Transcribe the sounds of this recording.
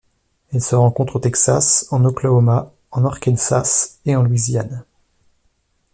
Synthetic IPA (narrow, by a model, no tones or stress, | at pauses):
ɛlsəʁɑ̃kɔ̃t̪χot̪ɛksa̰sɑ̃noklaɔma | ɑ̃nɔʁkʲɛnsaseɑ̃lwizjan